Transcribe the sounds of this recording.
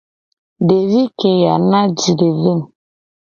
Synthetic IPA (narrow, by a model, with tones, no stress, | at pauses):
de˨vi˦ke˨ja˨na˦d͡ʒi˨de˨vi˦m̩˨